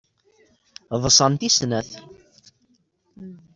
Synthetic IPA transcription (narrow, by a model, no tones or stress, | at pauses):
ðˤəsˤɑnt̪isnæθ